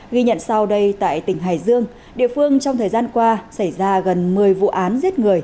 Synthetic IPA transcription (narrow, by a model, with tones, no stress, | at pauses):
ɣi˧ɲə̰˧˨nsa˧wɗə˧jt̪a̰ː˧˨jt̪ï˧˩ŋ̟ɦaː˨˩jzɨ˧əŋ | ɗḭ˧˨əfɨ˧əŋt͡ɕɔ˧ŋ͡mt̪ʰəː˨˩jzaː˧nkwaː˧sa˧˩jzaː˧ɣə˨˩nmɨ˨˩əjvṵ˧˨ʔaː˨˦nzi˦˥ət̚ŋɨ˨˩əj